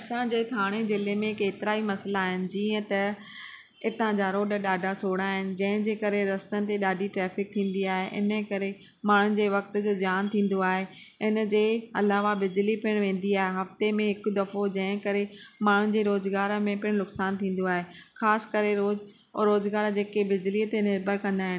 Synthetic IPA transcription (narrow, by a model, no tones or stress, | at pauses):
ɐsãd͡ʑeːt̪ʰaːɽ̃ezɪlemẽkeːt̪ɪɾaimɐsəlaːɦɪnɪ̆d͡ʑiːə̃t̪ɐ | ɪt̪ãd͡ʑaɾoːɗɗaːɖʱasʰoːɽ̃aːɦɪnɪ̆d͡ʑɐ̃ɦɪ̃d͡ʑeːkɐɾeɾɐst̪ənɪ̆t̪eɗaːɖʱiʈɾɛːfɪk̚t̪ʰĩːn̆d̪iaːɦeʔɪ̰nə̆kɐɾe | maːɳ̤ʊnɪ̆d͡ʑeːʋɐkt̪̆d͡ʑoːd͡ʑjaːnt̪ʰĩːn̆d̪oaːɦe | ɪnə̆d͡ʑeːɐlaːʋabɪd͡ʑlipɪɽ̃ʋẽːn̆d̪iaːɦeɦɐft̪emẽɦɪkʊd̪ɐfod͡ʑɐ̃ɦɪ̃kɐɾemaːɳ̤ʊnɪ̆d͡ʑeːɾoːzɡaːɾmẽpɪɽ̃nʊksaːnt̪ʰĩːn̆d̪oaːɦexaːsɪ̥kɐɾeɾoːz | ɾoːzɡaːɾd͡ʑeːkebɪd͡ʑliət̪enɪɾbʱəɾkɐ̃nd̪aːɦɪnɪ̆